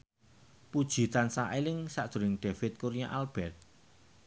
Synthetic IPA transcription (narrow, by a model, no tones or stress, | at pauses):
pud̥ʒ̥i̤t̪ansaʔelɪŋsa̰ʔd̪̥ṳɾɪŋɖ̥efɪt̪̚kuɾijaʔalb̥ɛrt̪̚